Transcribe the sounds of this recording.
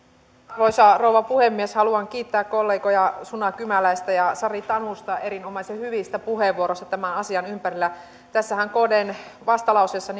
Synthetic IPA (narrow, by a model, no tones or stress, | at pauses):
roisɑrouʋɑpuhemːieshɑluɑŋk̟iːt̪ːæːkkolːeːɡojɑsunɑkymælæist̪æjɑsɑrit̪ɑnust̪ɑʔeɾinomɑsehyʋist̪æpuɦeʋuoɾost̪ɑ̥t̪æmænɑsiɑnympæɾilːæ | t̪æsːæhæŋko̞denʋɑst̪ɑlɑusesːɑn